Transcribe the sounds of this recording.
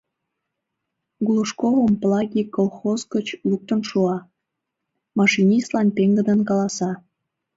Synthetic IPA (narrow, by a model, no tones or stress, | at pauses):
ɡuluʃkovəmplˠɑɡʲikolˠxozɡət͡ɕluk̚t̪ənʃuɑ | mɑʃinʲist̪lɑnpeŋɡəd̪ənkɑlɑsɑ